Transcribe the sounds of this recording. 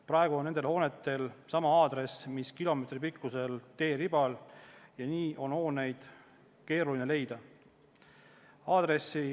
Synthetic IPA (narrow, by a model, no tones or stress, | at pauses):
prɑeɡ̥uo̞nːe̞nd̪e̞lho̞ːne̞t̪ːˑe̞lsɑmɑɑːd̪ɾe̞smiskilo̞me̞t̪ripikːuse̞lt̪e̞ːɾibɑljɑniːʔo̞nho̞ːne̞jd̪̥ | ke̞ːɾulinele̞jd̪̥ɑ | ɑːd̪̥re̞si